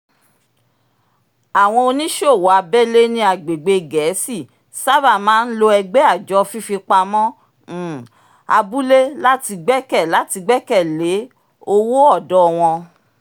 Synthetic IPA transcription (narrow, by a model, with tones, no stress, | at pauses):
a˨w̃ɔ̃˧o˧nĩ˦ʃo˦˨wa˨˧bɛ˦le˦nĩ˦a˨ɡ͡be˨ɡ͡be˧ɡɛ˨˦si˦˨ | sa˦ba˦˨mãː˦n̩˦lo˧ɛ˧ɡ͡bɛ˦a˦˨d͡ʒɔ˨˦˧fi˦fi˧k͡pa˧mɔ̃˦˨ | a˧bu˦le˦la˦ti˧ɡ͡bɛ˦kɛ˦˨la˨˦ti˧ɡ͡bɛ˦kɛ˦˨le˨˦ | o˧wo˦ɔ˦˨dɔ˦˧w̃ɔ̃˧